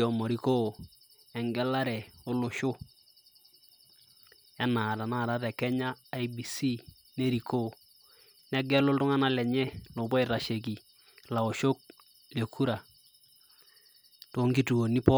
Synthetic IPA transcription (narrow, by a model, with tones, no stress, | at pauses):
ɔ˨mɔ˨ɾi˦ko˦˨ | ɛ˨ŋɡɛ˦la˦ɾɛ˨o˦lʊ˨ʃʊ˦ | ɛ˦na˨ta˨na˦˨ɾa˦tɛ˨kɛ˦ɲaː˦˨˦jbi˨si˦ | ne˦ɾi˨kʰo˦˨ | nɛ˦ɡɛ˦lʊ˦ltʊ˦ŋa˦na˦lɛ˨ɲɛ˦lo˨bɔ˦ɪ˨ta˨ʃe˨k̬i˨ | la˨o˨ʃo˦k̚ | le˨kʰu˦ɾa˨ | to˦ŋɡi˦tu˨o˨ni˦pɔ˦